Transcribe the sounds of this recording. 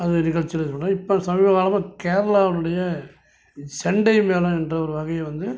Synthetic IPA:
ɐðɯnɪɣɐɭt͡ʃːɪlɐsɔnːɐ̃ːɪpːɐsɐmɪʋɐɣaːlɐmaːkeːɾɐlaːʋɐnɯɽɐjɐ | sɛɳɖɐɪmeːlɐ̃ɛndrɐɔɾɯʋɐɣɐjɐʋɐnd̪ɯ

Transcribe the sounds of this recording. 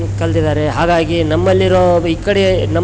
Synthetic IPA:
kɐld̪id̪aːɾeɦaːɡaːɡinɐmːɐlːiɾoːiːkːɐɽenɐ

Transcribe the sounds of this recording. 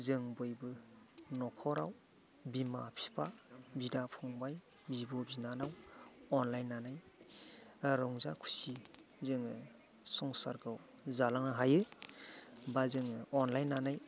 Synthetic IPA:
zɯŋbɔjbɯ | nɔkʰɔɾaw | bima̰pʰi̥pʰabidapʰɔŋbaj | bibɔbzinanawɔnlajnːanaj | ɾɔŋzakʰu̥sizɯŋɯ | sɔŋsa̰ɾɡaw | zalaŋnaɦajɯ | bazɯŋɯɔnlajnːanaj

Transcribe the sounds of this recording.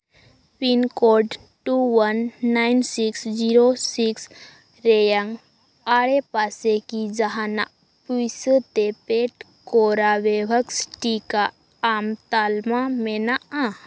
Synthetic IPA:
pinkoɾɖ | ʈuʋənːaɪnsiksd͡ʒiɾosiks | ɾejaŋɡ | aːɽepaːsekid͡ʒəɦana̰ | pusət̪epeʈ | koɾaʋebəksʈika | amt̪aːlmamenaã

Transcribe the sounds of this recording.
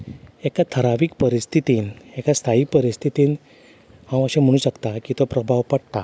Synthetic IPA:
ekat̪ʰəɾaʋiːkpəɾist̪ʰit̪iːnekast̪ʰaik̚pəɾist̪ʰit̪iːn | hãwəɕẽm̤əɽ̃uːɕəkt̪akiːt̪opɾəbʱaʋpəɽt̪a

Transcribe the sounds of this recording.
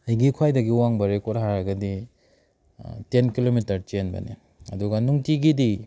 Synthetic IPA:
ɐjɡikʰwajdɐɡiwaŋbɐɾekoɾɦaɾɐɡɐdi | tenkilomitɐɾt͡ʃenbɐ̰nḭ | ɐ̰duɡɐnuŋtiɡidi

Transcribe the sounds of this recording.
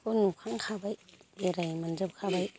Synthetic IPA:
konukʰaŋkʰabajbeɾajmanzɯp̚kʰabaj

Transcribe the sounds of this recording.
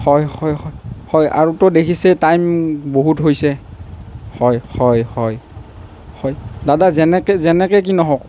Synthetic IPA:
hɔjhɔjhɔjhɔja̰ɹutɔdekʰisɛtajmboɦutɦojsɛ | hɔjhɔjhɔj | hɔjdadazɛnɛkɛzɛnɛkɛk̬inɔɦɔk

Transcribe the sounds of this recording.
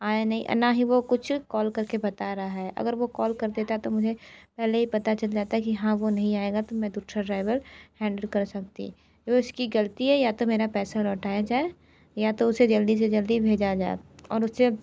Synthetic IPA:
aːenɐɦḭ̃ʔnaɦiʋokʊt͡ʃʰkɔːlkɐɾkebɐt̪aɾɐaɦɛʔɐ̰ɡəɾʋokɔːlkɐɾd̪eːt̪aɦɛt̪omʊd͡ʒʱepɛɦleɦipɐt̪at͡ʃɐld͡ʒaːt̪aɦɛkiɦãʋonɐɦĩaːeːɡat̪omɛ̃d̪uːʈʰɾaɖɾaːɪʋəlhɛ̃ːɳɖəlkɐɾsɐk̚t̪ḭ | d͡ʒoɪskiɡɐlt̪iɦɛjat̪omeːɾapɛːsalɔːʈaːjad͡ʒaːe | jat̪oʊsed͡ʒɐld̪is̬ed͡ʒɐld̪ibʱeːd͡ʒad͡ʒaːḛɔ̰ːɾʊsːe

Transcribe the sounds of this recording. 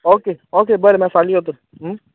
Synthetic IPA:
oːkeːoːkeːbəɾemɛ̃ːsaːliɦoːt̪o | ɦ

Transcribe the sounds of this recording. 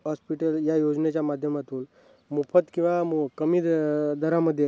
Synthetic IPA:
ɦɔspiʈəljajod͡znet͡ɕjamad̪ʱjəmat̪uːn | mufət̪kĩw̃ʋaukəmiːd̪əɾaməd̪ʱːje

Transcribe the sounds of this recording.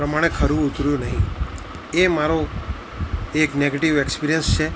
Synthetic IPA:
ɾəmãekʰəɾũʊt̪ɾjũnəɦĩ | emaɾo | ekneɡeʈiʋekspiɾijənst͡ʃʰe

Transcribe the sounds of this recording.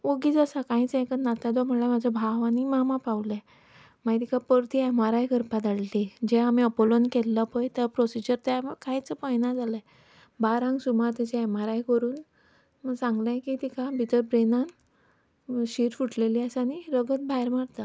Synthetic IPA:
oɡiːd͡zəsakãĩt͡sẽkənat̪ad̪ɔm̤əlamad͡zʱabʱaʋanimamapaʋl | mait̪ikʰapəɾt̪ʰiɛmaɾajkəɾpad̪aɽlid͡ʑɛamiəpolonkelːəpəjt̪əpɾosid͡ʑəɾt̪jakait͡səpəjnad͡zaləe | baɾãŋɡsumaɾt̪ɛt͡ɕɛ̃ɛmaɾajkəɾuːn | məsãŋɡlãjkit̪ikʰabʱit̪əɾpɾenan | ɕiɾfuʈleliːasaniɾəɡət̪̚bʱajɾmaɽt̪a

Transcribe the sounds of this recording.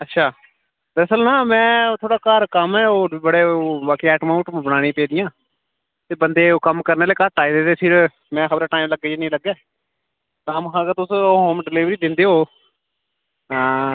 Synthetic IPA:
ətːʃʰaː | b̪əɾəsəlnãːmɛ̃ːt̪ʰoːɽaːkaːɾkəmɛːoːbəɽeːbaːkiːɛːʈmaːʊ̃ʈbənaːɽ̃ĩːpeːd̪ɪjãː | t̪eːbənd̪eːoːkəmkəɾneːleːkəʈaːiːd̪eːd̪eːpʰɪɾ | mɛ̃ːxəbəɾʈaːĩːmləɡeːeːnĩːləɡɛː | t̪ãːməkãːkət̪ʊsoɦoːmɖɪliːʋɾiːd̪ɪ̃nd̪eːɦoː

